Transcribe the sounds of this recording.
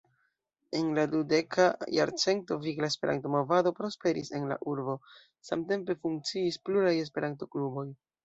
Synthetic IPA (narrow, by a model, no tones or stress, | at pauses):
e̞nladude̞kʰaja̰ɾt͡se̞nto̞viɡlaespe̞ɾa̰nto̞mo̞vado̞pɾo̞spe̞ɾḭse̞nla̰ʔuɾbo̞ | sa̰mte̞mpe̞fuŋk̚t͡siːspluɾaje̞s̬pe̞ɾanto̞klubo̞j